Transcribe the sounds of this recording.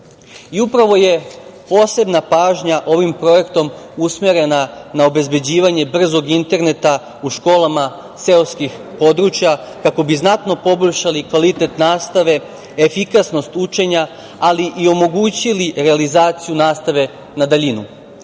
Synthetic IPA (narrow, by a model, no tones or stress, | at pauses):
iupɾaʋo̞je̞po̞ːse̞bnapaːʒɲaʔo̞ʋimpɾo̞je̞kt̪o̞musmeɾe̞nanao̞be̞zbe̞d͡ʑiːʋaɲe̞br̩zo̞ɡint̪e̞ɾne̞t̪a | uʃko̞ːlama | seoskixpo̞d̪ɾuːt͡ʃjakako̞biznat̪no̞po̞boʎʲʃalikʋalit̪e̞t̪naːst̪aʋe̞ | efikasno̞st̪ut͡ʃe̞ɲa | aliʔio̞mo̞ɡuːt͡ɕiliɾe̞alizaːt̪sijunaːst̪aʋe̞ | nad̪aʎinṵ